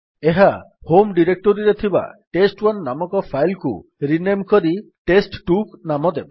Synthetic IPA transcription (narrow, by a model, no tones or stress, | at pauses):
eɦahomɖiɾek̚ʈoɾiɾet̪ʰiba̰ʈesʈwɔnːamɔkɔpʰajlkṵɾinemkɔɾi | ʈesʈʈuknamɔd̪ebɔ